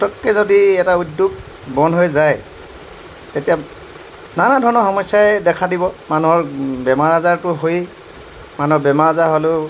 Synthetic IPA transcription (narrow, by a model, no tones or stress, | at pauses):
tɔkːɛzodiɛtaudːuk | bɔnɦojzaj | tetija | nanadʱɔɹnɔxɔmɔjsːajɛdɛkʰadibɔmanuɦɔɹbɛmaɹazaɹtʊɦoj | manuɦɔɹbɛmaɹazaɦolʊ